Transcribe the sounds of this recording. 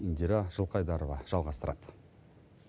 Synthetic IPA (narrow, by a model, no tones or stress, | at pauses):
ind̪ʲiɾɑʒ̥əlˠqɑjd̪ɑɾovɑʒ̥ɑlˠʁɑst̪əɾɑd̪̥